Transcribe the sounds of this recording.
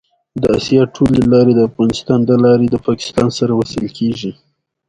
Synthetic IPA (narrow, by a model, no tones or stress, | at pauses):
d̪əasjɑʈʰolelɑɾed̪əafɣɑnɪst̪ɑnd̪əlɑɾed̪əpɑkɪ̥st̪ɑnsaɾawasɪlkʰeʒi